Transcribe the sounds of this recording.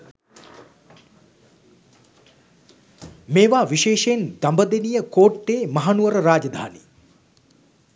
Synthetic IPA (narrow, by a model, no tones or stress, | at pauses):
meːʋaːʋiʃeːʃeːnd̪ambəd̪enijəkoːʈːeːmɐɦanuʋəɾəɾaːd͡ʒɐd̪ʱa̰ːni